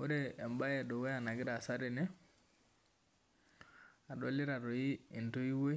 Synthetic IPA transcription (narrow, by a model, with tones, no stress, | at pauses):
o˦ɾɛ˨ɛ˨mba˦jɛ˨dɔ˨wɛ˦a˨na˨ɡɪ˦ɾa˨sa˦ɾɛ˨nɛ˦ | a˨dɔ˦lɪ˦ɾa˨ɾɔ˨iː˦˨nto˦i˦we˦